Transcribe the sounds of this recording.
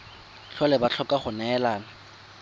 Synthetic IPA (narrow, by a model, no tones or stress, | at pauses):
ɬʰɔlɛbat͡ɬʰɔkʼaχʊnɛːlaːna